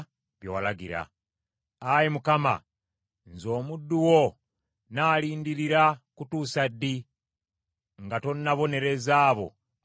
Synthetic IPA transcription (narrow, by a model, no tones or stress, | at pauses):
βjowalaɡiɾa̰ | ajimukama̰ | nzo̞ːmudːuwo | naːliːndiɾiɾakutusadi | ŋɡato̞nːaβo̞ne̞ɾe̞zaːβo̞̰